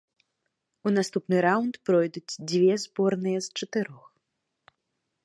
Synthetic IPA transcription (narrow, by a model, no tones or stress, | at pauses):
unast̪upnɨɾawnt̪pɾɔjd̪ut͡sʲd͡zʲvʲɛzbɔrnɨjɛst͡ʂɐt̪ɨɾɔx